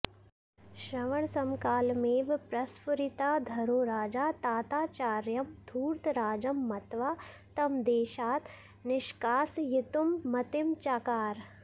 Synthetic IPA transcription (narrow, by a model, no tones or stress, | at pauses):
ʃɾɐʋɐɳ̃sɐmkaːlmeːʋpɾɐspuɾɪt̪aːd̪ʱɐɾoːɾaːd͡ʒaːt̪aːt̪aːt͡ʃaːɾjɐmd̪ʱuːɾt̪ɾaːd͡ʒɐmːɐt̪ʋaː | t̪ɐmd̪eːʃaːt̪ | nɪʃkaːsjɪt̪umːɐt̪ɪmt͡ʃaːkaːɾ